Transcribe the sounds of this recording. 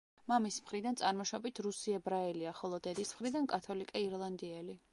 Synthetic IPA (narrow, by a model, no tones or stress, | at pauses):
mamismχɾid̪ant̪sʼaɾmɔʃɔbit̪ʰɾusiɛbɾaɛliaχɔlˠɔd̪ɛd̪ismχɾid̪ankʼat̪ʰɔlikʼɛiɾlˠand̪iɛli